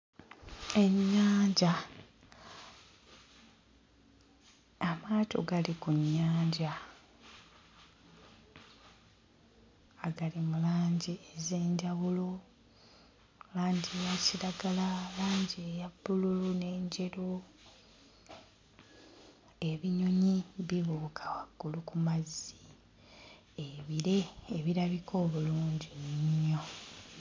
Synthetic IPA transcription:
e̞ɲːaːɲɟa | maːtʰo̞̰ɡalikuɲːaːɲɟa | ɡalimulaːɲɟieze̞ːɲɟaβulo̞ | laːɲɟejaciɾaɡalalaːɲɟejabːululune̞ːɲɟe̞ɾo | e̞βiɲo̞ɲiβiβuːkʰḁwaɡ̥ːulukumazːi | eβiɾe̞ːβiɾaβikʰo̞ːβuluːɲɟiniɲːo̞

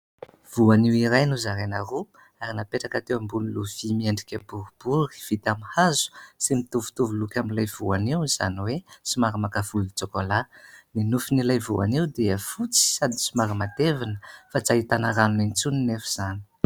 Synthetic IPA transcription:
v̥uaniwiɾajnuzaɾenaru | aɾinapeʈ͡ʂakat̪ewambunuluv̥imieɳɖ͡ʐikʲəbuɾib̥uɾi̥v̥it̪amihazu̥simit̪uvu̥t̪uvulukʲamilajv̥uaniwiz̥a̰niwesimaɾimakavulit͡sokolaninufinilajvua̰niwd̪eəfut͡si̥sad̪i̥simaɾimat̪evinəfat͡saɦit̪anaɾanunent͡suninefu̥z̥ani̥

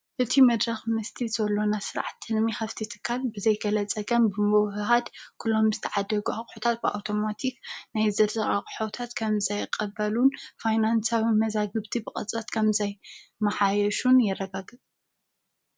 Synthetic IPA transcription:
ʔɨt̪ʰimɐd̪ɾɐxmɨst̪ʰizɐlːo̞nasɨɾa̰ʕat̪ːɨnmixɐft̪ʰit̪ʰɨ̥kʰːalbɨzɐjɡɐlɐt͡sʼɐɡɐmbɨmɨwhɨɦad̪kʰulːo̞mzɨt̪ʰɐʕad̪ɐɡuaχʼħut̪ʰat̪̚bɨʔa̰wt̪ʰo̞mat̪ʰiknajzɐd̪zɐɾʼakʼħot̪ʰat̪kʰɐmzɐjqʼɐbɐlunfajnansawimɐzaɡɨβt̪ʰibɨkʼɐ̰t͡sʼɐt̪kʰɐmzɐjmɐħajɐʃunjɛrːɐɡaɡɨt͡sʼ

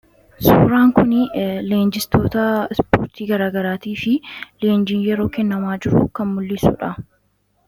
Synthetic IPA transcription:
suːɾaːŋkʊnɪleːnd͡ʒɪst̪o̞ːt̪ɐɛspo̰ːɾt̪iːɡɐɾaːɡɐɾaːt̪iːfɪle̞ːnd͡ʒiːnjɛɾo̞ːkɛnːɐmaːd͡ʒɪɾʊkɐnmʊlːɪsṵːᶑɐ

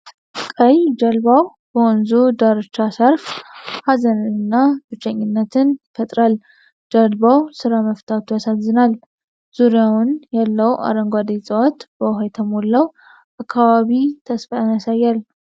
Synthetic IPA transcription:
kʼəjd͡ʒəlbaw | bəɔnzud̪aɾɨt͡ʃːasəɾfhazənɨnɨnːab̪ɨt͡ʃːəɲːɪnːət̪ʰɨnfət̪ʼɾal | d͡ʒəlbawsɨɾaməft̪ʰat̪ujasazːɨnal | z̥uɾijawʊnjalːəwa̰ɾəŋɡʷad̪esʼəwat̪b̥əwɦajt̪ʰəmo̞lːəw | ʔakʰːaβaβit̪ʰəsfaanasajːal

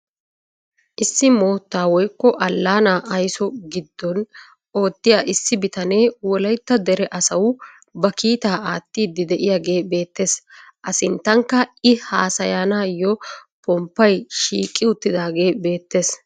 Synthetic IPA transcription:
ʔɪsːɪmo̞ːt̪ːaːwɔjkːɔʔɐlːaːnaːʔɐjsɔɡɪd̪ːɔn | o̞ːt̪ːɪjaːʔɪsːɪbɪt̪ɐneːwɔlɐjt̪ːɐd̪ɛɾɛʔɐsɐw | bɐkiːt̪aːʔaːt̪ːiːd̪ːɪd̪ɛʔɪjaːɡe̞ːbe̞ːt̪ːe̞ːsʔɐsɪnt̪ːɐŋkːɐɪhaːsɐjaːnaːjɔpɔmpːɐjʃiːkʼːɪʊt̪ːɪd̪aːɡe̞ːbe̞ːt̪ːe̞ːs

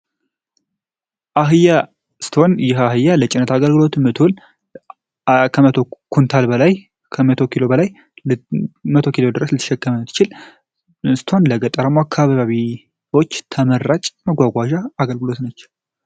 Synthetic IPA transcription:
ʔaɦɨja | st̪ʰo̞njɪɦaɦɨjːalət͡ʃʼɪnːət̪aɡəlɡɨlo̞t̪mət̪ʰon | kʰəmət̪ʰokʰunt̪ʰalbəlaj | kʰəmət̪ʰo̞kʰilo̞bəlaj | mət̪ʰo̞kilo̞d̪ɨɾəslɨt̪ʰə̥ʃɛkːəmənɨt̪ʰːɨ̥t͡ʃɪl | sɨ̥t̪ʰo̞nləɡət̪ʼːəɾəmoakʰːaβaβaβi | wo̞t͡ʃːt̪ʰəmərːat͡ʃʼməɡʷaɡʷaʒaːɡəlɡɨlo̞t̪nət͡ʃː

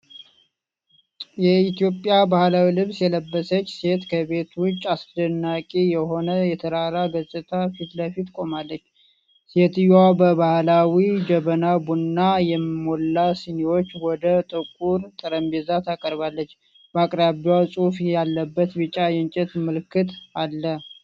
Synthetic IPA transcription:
jɛit̪ijo̞pʼjabahlawilɨβsjɛləbːəsət͡ʃːse̞t̪kʰəβe̞t̪wʊt͡ʃʼːasd̪ənːakʼijɛho̞nəjɛt̪ʰəɾaɾaɡəsʼɨt̪ʰafit̪ləfit̪kʼo̞malːət͡ʃː | se̞t̪ɨjabəbahlawid͡ʒəβənabunnːajɛmmo̞lːasɨniwo̞t͡ʃːwɔd̪ət̪ʼɨkʼuɾt̪ʼɨɾəmbezat̪ʰakʼəɾbalːət͡ʃː | bakʼɾaβiasʼufjalːəbːət̪bɨt͡ʃʼːajɛnt͡ʃʼɛt̪mɨlkːɨt̪ʰalːə

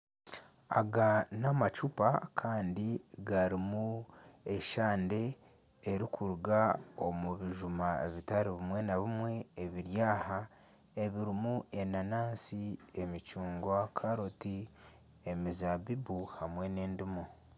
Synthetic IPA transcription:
aɡanamat͡ʃupakʰaːndiɡaɾimue̞ʃaːnde̞ː | ɾikʰuɾuɡao̞muβiʒumae̞̰βitaɾiβimwe̞naβimwe̞ːβiɾjaːha | e̞βiɾimuʔe̞nanaːnsiemit͡ʃuːŋɡwakʰaɾoti | e̞mizabibuhamwe̞ne̞ːndimo

